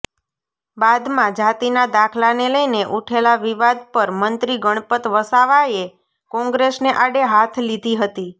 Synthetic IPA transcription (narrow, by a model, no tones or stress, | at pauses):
bad̪mãd͡ʒat̪inad̪akʰlaneləjneʔuʈʰelaʋiʋad̪̚pəɾmənt̪ɾiɡəɽ̃pət̪ʋəsaʋae | kɔ̃ŋɡɾesneʔaɽeɦat̪ʰlid̪ʱiɦət̪i